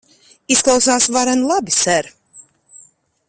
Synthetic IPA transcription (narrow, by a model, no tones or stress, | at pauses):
isklˠawsaːsvaɾɛnlˠabisɛɾ